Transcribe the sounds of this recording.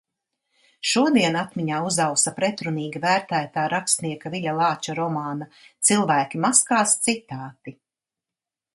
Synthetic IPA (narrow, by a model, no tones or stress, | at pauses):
ʃuɔd̪iɛnat̪miɲaːuzawsɐpɾɛt̪ɾuniːɡivæːɾt̪æːt̪aːɾakst̪niɛkaviʎʲalˠɑːt͡ʃaɾɔmaːna | t̪silˠvæːkʲimaskaːst̪sit̪aːt̪i